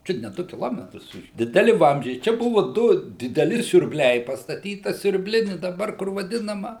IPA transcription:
ˈt͡ʃʲʊt nʲɛ ˈdʊ kʲɪˈlˠoːmʲɛtrʊs dʲɪdʲɛˈlʲɪ ˈʋɐmʲzʲd͡ʒʲɛɪ ˈt͡ʃʲɛ ˈbʊʋʊ ˈdʊ dʲɪdʲɛˈlʲɪ sʲʊrʲbʲˈlʲɛɪ pɐstɐˈtʲiːtɐ sʲʊrʲbʲˈlʲɪnʲɪ dɐˈbɐr kʊr ʋɐˈdʲɪnɐmɐ

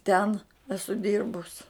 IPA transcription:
ˈtʲɛn ˈæːsʊ ˈdʲɪrbʊs

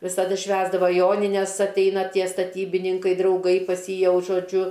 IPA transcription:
ʋʲɪsɐˈdʊ ˈʃʲʋʲæːzdɐʋoː ˈjoːnʲɪnʲɛs ɐtʲˈɛɪnɐ ˈtʲiɛ stɐˈtʲiːbʲɪnʲɪŋkɐɪ drɐʊˈɡɐɪ pɐs ˈjiː ˈjɛʊ ʒoːˈd͡ʒʲʊ

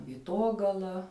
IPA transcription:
ʋʲiːˈtoːɡɐlˠɐ

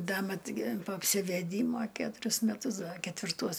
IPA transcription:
ˈdɐ ˈmɐt ɡʲɪ poː ɐpʲsʲɪʋʲɛˈdʲiːmoː ˈkʲæːtʊrʲʊs mʲɛˈtʊs ˈdɐ kʲɛtʲʋʲɪrˈtuɔs

